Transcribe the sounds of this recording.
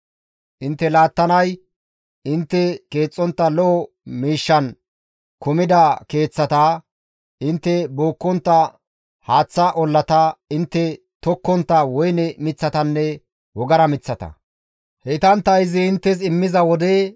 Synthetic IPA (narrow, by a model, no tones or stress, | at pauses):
ʔɪnt̪ːɛlaːt̪ːɐnɐj | ɪnt̪ːɛke̞ːt͡sʼːɔnt̪ːɐlɔʔɔ | miːʃːɐn | kʊmɪd̪ɐke̞ːt͡sːɐt̪ɐ | ʔɪnt̪ːɛboːkːɔnt̪ːɐ | haːt͡sːɐʔɔlːɐt̪ɐɪnt̪ːɛ | t̪ɔkːɔnt̪ːɐwɔjnɛmɪt͡sːɐt̪ɐnːɛ | wɔɡɐɾɐmɪt͡sːɐt̪ɐ̰ | hɛt̪ɐnt̪ːɐɪzɪɪnt̪ːɛs̬ɪmːɪzɐwɔd̪e